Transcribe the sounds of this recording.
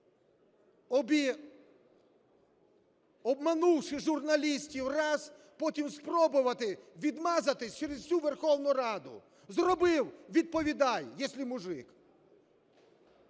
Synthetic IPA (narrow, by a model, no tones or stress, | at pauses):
bʲi | ɔbmanuwʃɪʒʊrnɐlʲisʲtʲiwrɑz | pɔtʲimspɾɔbʊʋɐt̪ɪʋʲid̪mɑzɐt̪ɪsʲt͡ʃɛɾezsʲuʋerxɔwnʊɾɑd̪ʊ̰ | zrɔbɪwʋʲid̪̚pɔʋʲid̪ɑjːɛsʲlʲimʊʒɪk